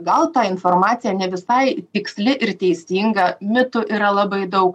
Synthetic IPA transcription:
ɡɐlˠt̪ɑɪnformɑːt̪sʲɪjɛnʲɛʋʲɪsɐɪt̪ʲɪksʲlʲɪʔɪɾt̪ʲɛɪsʲiːŋɡɐmʲɪt̪ʊʔiɾɐlˠɑbɐɪd̪ɐʊk

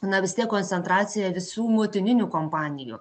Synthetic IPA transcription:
nɐʋʲɪstʲiɛkkɔːnʲt̪ʲɛnt̪ɾɑːt̪sʲɪjɛʋʲɪsuːmoːt̪ʲɪnʲɪnʲuːkompɑːnʲɪjṵː

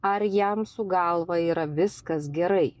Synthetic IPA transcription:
ɐɾjɛmsʊɡɐlˠʋɐiːɾɐʋʲɪskɐs̬ɡʲɛɾɐɪ

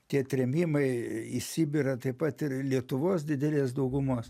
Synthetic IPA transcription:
t̪ʲiɛt̪ʲɾʲɛmʲiːmɐɪiʃsʲɪbʲɪɾɐt̪ɐɪpɐt̪ɪrlʲiɛt̪ʊʋoːs̬d̪ʲɪd̪ʲɛlʲeːsd̪ɐʊɡʊmoːs

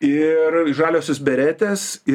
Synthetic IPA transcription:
ɪrɪʃʒɑːlʲoːsʲoːsbʲɛɾʲæːt̪ʲesɪ

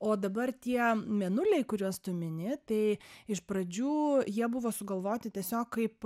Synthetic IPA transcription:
oːd̪ɐbɐrt̪ʲiɛmʲɛnʊlʲɛɪkʊɾʲuɔst̪ʊmʲɪnʲɪt̪ɐɪɪʃpɾɐd͡ʒʲuːjiɛbʊʋoːsʊɡɐlˠʋoːt̪ʲɪt̪ʲiɛsʲoːkkɐɪp

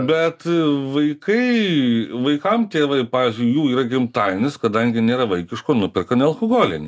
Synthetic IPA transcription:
bʲɛt̪ʋɐɪkɐɪʋɐɪkɐmt̪ʲeːʋɐɪpɑːʋʲɪːzʲd͡ʒʲʊjjuːiːɾɐɡʲɪmt̪ɐɪnʲɪskɐd̪ɐŋʲɡʲɪnʲeːɾɐʋɐɪkʲɪʃkoːnʊpʲɪrkɐnʲɛlˠkoɡoːlʲɪnʲɪ

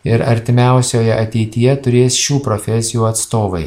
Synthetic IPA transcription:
ɪɾɐɾʲt̪ʲɪmʲæˑʊsʲoːjɛʔɐt̪ʲɛɪt̪ʲɪjɛt̪ʊɾʲeːsʃʲuːpɾofʲɛsʲɪjuːɐt̪st̪oːʋɐɪ

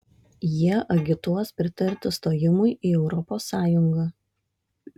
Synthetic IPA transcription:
jiɛʔɐɡʲɪt̪uɔspʲɾʲɪt̪ɐɾʲt̪ʲɪst̪oːjɪmʊɪʔiːɛʊɾɔpoːsːɑːjʊŋɡɑː

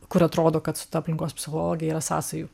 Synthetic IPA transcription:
kʊɾɐt̪ɾoːd̪oːkɐt̪sʊ̥t̪ɐɐpʲlʲɪŋkoːspʲsʲɪxolˠoːɡʲɪjɛiːɾɐsɑ̰ːsɐju

